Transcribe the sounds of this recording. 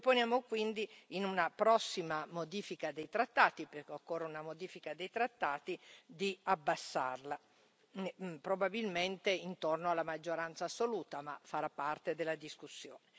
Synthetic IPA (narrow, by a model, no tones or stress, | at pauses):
ponjaːmokwind̪iinunapɾɔsːimamod̪iːfikad̪ejt̪ɾat̪ːaːt̪iperkeokːorːeunamod̪iːfikad̪ejt̪ɾat̪ːaːt̪id̪iabːasːa̰rla | pɾobabilment̪eint̪ornoalːamad͡ʒːoɾant̪saːsoluːt̪amafːaɾapːart̪ed̪elːad̪iskusːjo̰ːne